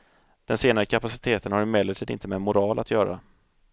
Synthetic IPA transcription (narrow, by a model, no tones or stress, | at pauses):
d̪̥ɛnseːnaɾəkʰapasɪ̥t̪ʰeːt̪ənhaɾɪmeːləʈʰiːd̪ɪ̰nt̪əmɛmʊɾɑːlʔat̪ʰjœːɾa̰